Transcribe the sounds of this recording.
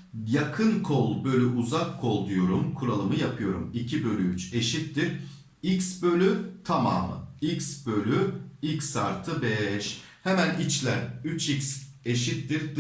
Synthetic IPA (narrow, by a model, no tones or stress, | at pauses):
jakʰɯnkʰolˠbø̞lʲyʔuzakʰːo̞lˠd̪ujo̞ɾumkʰuɾalˠɯmɯjapʰɯjo̞ɾumicʰibø̞lʲyyt͡ʃe̞ʃit̪ːiɾ | iksbø̞lʲyt̪ʰama̰ːmɯ̰icsbø̞lʲyicsaɾt̪ʰɯbɛʃ | hemænit͡ʃlʲæɾyt͡ʃʰics | e̞ʃit̪ːiɾd̪